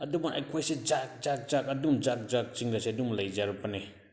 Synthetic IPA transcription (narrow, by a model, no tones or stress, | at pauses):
ɐdumaʔa̰jkʰojsed͡ʒak̚zak̚zak̚ɐdumd͡ʒak̚d͡ʒak̚t͡ʃiŋdaseɐdumlajd͡ʒaɾupane